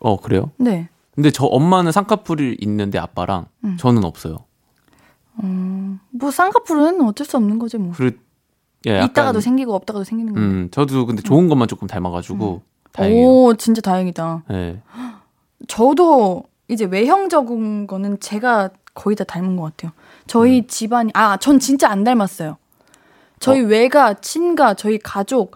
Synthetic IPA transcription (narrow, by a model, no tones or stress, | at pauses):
ʌ̰kɯɾe̞̰jo̰ne̞ | kɯnde̞t͡ɕʌʔʌmːanɯnsʰaŋkʰapʰuɾiɾḭnːɯnde̞̰a̰p͈aɾa̰ŋt͡ɕʌnɯnʌp̚s͈ʌjo̰ | ʌbwʌsʰaŋkʰapʰuɾɯɯnʌt͡ɕ͈ʌɭs͈uʌmnɯnɡʌd͡ʑimwʌkɯɾe | jḛitt͈aɡadosʰe̞ŋɡiɡoʌp̚t͈aɡadosʰeŋɡinɯnŋɡt͡ɕʌdokɯnde̞t͡ɕoɯnɡʌmant͡ɕ͈ok͈ɯmtaɭmaɡad͡ʑuɡo | tʌt͡ɕint͡ɕ͈atajʌŋidajḛ | t͡ɕʌdo | id͡ʑe̞we̞ɦjʌŋd͡ʑʌɡɯnɡʌnɯnt͡ɕe̞ɡakʌidataɭmɯnɡʌk͈atʰe̞jo | t͡ɕʌit͡ɕibaɲiʔat͡ɕʌnt͡ɕint͡ɕ͈aːndaɭmas͈ʌjo | t͡ɕʌiwe̞ɡat͡ɕʰinɡat͡ɕʌikad͡ʑok̚